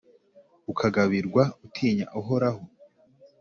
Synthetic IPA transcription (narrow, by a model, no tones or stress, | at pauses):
ukʰaɡaβiɾɡwautʰiːɲa̰ʔoɦoɾaɦo